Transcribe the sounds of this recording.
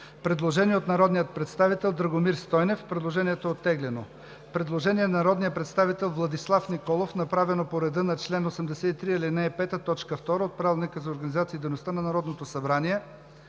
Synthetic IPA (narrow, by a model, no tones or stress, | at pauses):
pɾɛd̪lˠoʒɛniɛot̪nɐɾɔd̪nijət̪̚pɾɛt̪st̪avit̪ɛlˠd̪ɾɐɡomiɾst̪ɔjnɛfpɾɛd̪lˠoʒɛniɛt̪oot̪ːɛɡlɛno | pɾɛd̪lˠoʒɛniɛnɐnɐɾɔd̪nijəpɾɛt̪st̪avit̪ɛlˠvlˠɐd̪islˠafnikɔlˠofnɐpɾavɛnopoɾɛd̪ɤnɐt͡ʃlɛnosɛmd̪ɛsɛt̪it̪ɾiilinɛɛpɛt̪ət̪ɔt͡ʃkəft̪ɔɾəot̪̚pɾavɛlˠnikəzɐoɾɡɐnizat̪siːd̪ejnost̪anɐnɐɾɔd̪not̪osɐbɾaniɛ